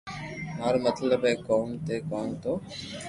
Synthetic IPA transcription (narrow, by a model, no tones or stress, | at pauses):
maːɾomət̪ləbɛ̃ːkoːmt̪eːkoːnt̪ʰoː